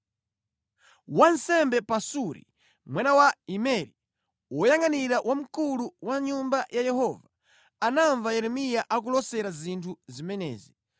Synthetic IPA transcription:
wansɛmbɛpasuɾḭ | mwanawaimɛɾi | wɔjaŋaniɾawʔam̩kuluwaɲumbajʔajɛhɔva | anaɱvajɛɾɛmijaʔak̬ulɔsɛɾazintʰuzimɛnɛ̰ːzi

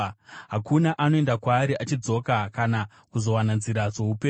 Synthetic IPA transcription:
ɦakunaʔano̞e̞ndakwaːɾiʔat͡ʃid͡zo̞kakana | kuzo̞wananziɾaʐo̞upeː

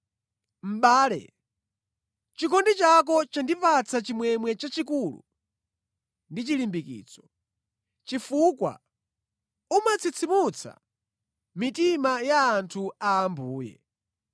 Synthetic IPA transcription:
m̩ɓaːlɛ̰ | t͡ʃikɔndit͡ʃak̬ɔt͡ʃandipat͡sʰat͡ʃimwɛmwɛt͡ʃat͡ʃikulṵ | ndit͡ʃilimbikḭːt͡sɔ̥ | t͡ʃifukwa̰ | umat͡sʰit͡sʰimut͡sʰa̰ | mitimajaːntʰuaːmbuːjɛ̰

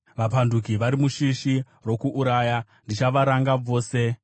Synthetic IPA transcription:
ʋapandukiʋaɾimuʃiʃi | ro̞kuʔːɾaːja | ndit͡ʃaʋaɾaŋɡab͡vo̞ːse̞

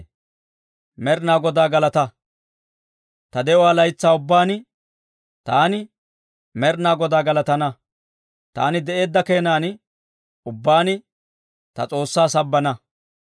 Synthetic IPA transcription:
mɛɾnaːɡɔd̪aːɡɐlɐt̪ɐ | t̪ɐd̪ɛɔwaːlɐjt͡sːaːʊbːaːnɪ | t̪aːnɪ | mɛɾnaːɡɔd̪aːɡɐlɐt̪ɐnɐ | t̪a̰ːnɪd̪ɛʔe̞ːd̪ːɐke̞ːnaːnɪ | ʊbːaːnɪ | t̪ɐ̰t͡sʼo̞ːsːaːsɐbːɐnɐ

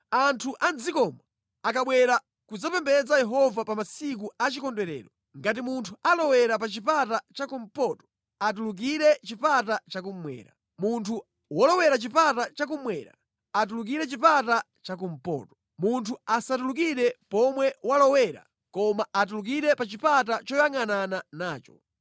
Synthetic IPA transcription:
antʰuʔand͡zikɔma | akaɓwɛɾa | kud͡zapɛmbɛd͡zajɛɦɔvapamasik̬uat͡ʃikɔndwɛɾɛ̰ːɾɔ | ŋɡat̬imuntʰualɔwɛɾap̬at͡ʃipatat͡ʃakum̩pɔtɔ̥ | atuluk̬iɾɛt͡ʃipatat͡ʃak̬um̩mwɛ̰ːɾa̰ | muntʰu | wɔlɔwɛɾat͡ʃipatat͡ʃakumwɛːɾa̰ | atuluk̬iɾɛt͡ʃipata | t͡ʃak̬um̩pɔ̰ːtɔ | muntʰuasatuluk̬iɾɛpɔmwɛwalɔwɛɾa̰ | kɔmaat̬uluk̬iɾɛpat͡ʃipat̬at͡ʃɔjaŋanananaːt͡ʃɔ̰

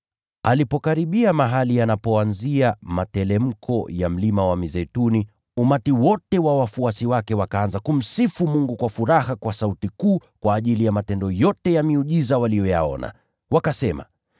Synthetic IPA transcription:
alipɔkaɾiɓiamaɦalianapɔanziamatɛlɛm̩kʰɔjam̩limawamizɛtuni | umatiwɔtɛwawafuasiwakɛwakaanzakum̩sifumuŋɡukwafuɾahakwasautikuːkwaːʄilijamatɛndɔjɔtɛjamiuʄizawalijɔja̰ɔ̰na̰ | wakasɛma̰

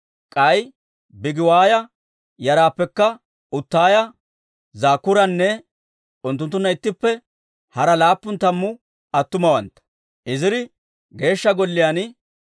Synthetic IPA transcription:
kʼɐj | bɪɡɪwaːjɐ | jɐɾaːpːɛkːɐ | ʊt̪ːaːjɐ | zaːkːʊɾɐnːɛ | ʊnt̪ːʊnt̪ːʊnːɐɪt̪ːɪpːɛ | hɐɾɐlaːpːʊnt̪ɐmːʊ | ɐt̪ːʊmɐwɐnt̪ːɐ̥ | ʔɪzɪɾɪ | ɡe̞ːʃːɐɡɔlːɪjaːn

